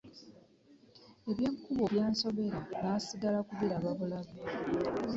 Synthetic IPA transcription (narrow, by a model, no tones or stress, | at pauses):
e̞βje̞ːŋkuβoβjaːnso̞βe̞ɾanasiɡalakuβeɾaβaβulaβe